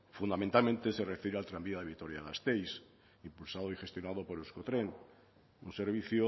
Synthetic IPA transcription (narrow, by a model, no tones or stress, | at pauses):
fund̪amẽnt̪almẽnt̪ese̞refeɾealt̪ɾambiaðeβit̪oɾjaðast̪ejs | impulsað̞oixe̞st̪jonaðo̞po̞ɾuskot̪ɾe̞n | unse̞ɾβ̞iθjo